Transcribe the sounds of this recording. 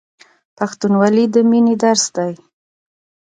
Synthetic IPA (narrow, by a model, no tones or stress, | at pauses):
paxt̪unwɑlid̪əminid̪aɾsd̪aj